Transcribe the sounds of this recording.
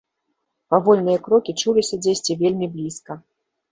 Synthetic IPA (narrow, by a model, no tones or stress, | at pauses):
pavɔlʲnɨjɐkɾɔkʲit͡ʂulʲisʲɐd͡zʲesʲt͡sʲivʲelʲmʲiblʲiskɐ